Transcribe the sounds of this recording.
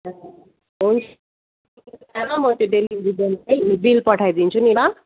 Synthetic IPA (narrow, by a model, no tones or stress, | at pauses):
ɦunt͡sʰ | aɾamʌt̪oɖeliɾibenajbilpʌʈʰajd̪int͡sʰuniɾʌ